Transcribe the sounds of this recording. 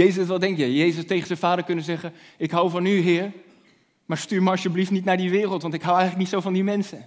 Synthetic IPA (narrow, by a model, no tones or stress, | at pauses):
ejzəsʋɛlˠdɛŋkjɛjjejzəstejχənzɛnvaːdəɹkɵnəzɛχə | ɪkɦawvɑnyɦɪːɹ | maːɹstyːɹməɑsjəbliftnitnaːɹdiʋɪːrəlˠtʋɑntɪkɦawɛjχələknitsowvɑndimɛnsə